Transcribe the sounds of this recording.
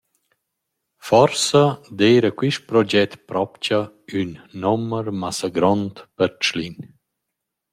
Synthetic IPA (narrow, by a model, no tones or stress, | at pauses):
fɔɾsad̪ejɾəkwiʃt̚pɾɔd͡ʒɛt̪pɾɔpt͡ʃa | ynːɔməɾmasaɡɾɔnt̪pəɾt͡ʃlin